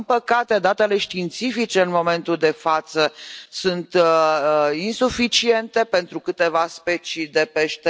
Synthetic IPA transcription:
npəkat̪e̞d̪at̪e̞le̞ʃt̪iːnt̪sifit͡ʃe̞ɨnmo̞me̞nt̪uld̪e̞fat̪səsunt̪ | insufit͡ʃie̞nt̪e̞pe̞nt̪ɾukɨt̪e̞vaspe̞t͡ʃid̪e̞peʃt̪e

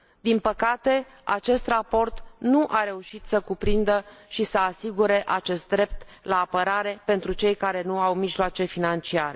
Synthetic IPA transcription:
d̪inpəkat̪e̞ | a̰t͡ʃe̞st̪rapo̞rt̪nuʔaɾe̞uʃit̪səkupɾind̪əʃisəasiɡuɾe̞ʔat͡ʃe̞st̪̚d̪ɾe̞p̚t̪ | laːpəɾaɾe̞pe̞nt̪ɾut͡ʃe̞jkaɾe̞nuawmiʒloat͡ʃe̞finant͡ʃiaɾe

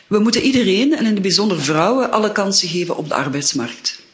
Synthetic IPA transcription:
ʋəmutənidəreːnɛnɪndəbizɔndərvrɔwəʔɑləkɑnsəɣeːvə̰nʔɔ̰b̚də̰ɑ̰rbɛjtsmɑrk̚t

